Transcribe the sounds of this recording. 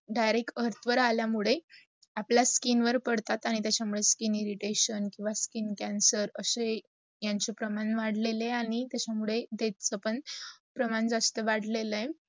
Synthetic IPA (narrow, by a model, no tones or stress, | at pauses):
ɖajɾekəɾt̪ʰʋəɾaljamuɭe | aplaskinʋəɾpəɽt̪at̪aɽ̃it̪jat͡ɕamuɭeskiniɾiʈeɕənkĩw̃ʋaskiːnkãnsəɾəse | jaɲt͡ɕepɾəmanʋaɽ̤leleaɽ̃it̪jat͡ɕʰamuɭed̪et̪̚t͡səpəɳpɾəmand͡zast̪əʋaɽ̤leləj